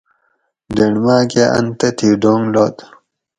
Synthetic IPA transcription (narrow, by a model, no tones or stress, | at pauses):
deɽmaːkeʔɐ̰nt̪ɐt̪ʰiːɖoːŋloːt̪